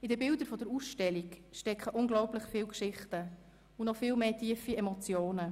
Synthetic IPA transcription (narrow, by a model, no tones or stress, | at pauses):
ɪdəbɪldəɾfɔdəɾuːsʃtɛlikʃtɛkχəʔʊŋɡlɔʊplɪχfɪːlkʃɪχtə | unɔfɪːlmeːtʰiːəfiɛmɔt͡sjoːnə